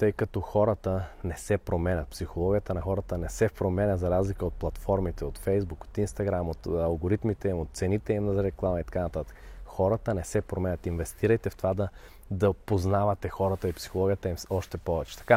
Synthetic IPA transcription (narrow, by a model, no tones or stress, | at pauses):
t̪ɤjkɐt̪ɔxɔɾət̪ənɛsɛpɾomɛnʲɐt̪̚psixolˠɔɡʲijət̪ənɐxɔɾət̪ənɛsɛpɾomɛnʲɐzɐɾazlikəot̪̚plˠɐt̪fɔɾmit̪ɛot̪fɛjzbuko̥t̪inst̪ɐɡɾamot̪ɐlˠɡoɾit̪mit̪ɛimot̪̚t̪sɛnit̪ɛimnɐzɐɾɛklˠamɐit̪ɐ̥kanɐt̪at̪ə̥kxɔɾɐt̪ənɛsɛpɾomɛnʲɐt̪invɛst̪iɾəjt̪ɛft̪ovad̪ɐ | d̪ɐpoznavɐt̪ɛxɔɾət̪əipsi̥xolˠɔɡʲijət̪əimɔʃt̪ɛpɔvɛt͡ʃɛ̥t̪ɐ̥ka